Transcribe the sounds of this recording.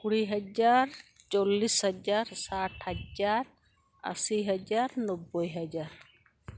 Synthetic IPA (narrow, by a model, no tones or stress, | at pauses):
kuɽiɦəd͡ʒaɾt͡ʃɔlːishəd͡ʒaɾsaʈʰhad͡ʒaɾ | ə̰siɦad͡ʒaɾnɔbːɔjɦad͡ʒaɾ